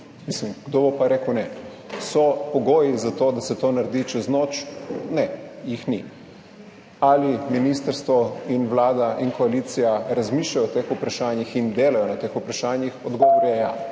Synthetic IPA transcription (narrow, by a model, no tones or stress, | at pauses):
mislimɡ̥d̪oːbopaɾeːkwnɛ | sɔpɔɡoːjizat̪oːd̪asɛt̪oːnaɾd̪it͡ʃɛznoːt͡ʃnɛjixnḭ | aliminiːst̪əɾst̪ʋɔinʋlaːd̪aʔiŋkɔalit̪sijaɾazmiːʃlajɔt̪eːxupɾaʃaːnjixind̪eːlajɔnat̪eːxupɾaʃaːnjixɔd̪ɡɔʋoɾɛja